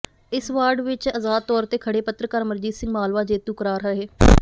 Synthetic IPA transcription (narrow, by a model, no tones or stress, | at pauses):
ɪsʋaːɾɖʋɪt͡ʃəzaːd̪̚t̪ɔːɾt̪eːkʰəɽeːpət̪ɾəkəɾməɾd͡ʒiːd̪sɪ̃ŋɡmaːlʋaːd͡ʒeːt̪ũːkəɾaːɾɦəɾɦeː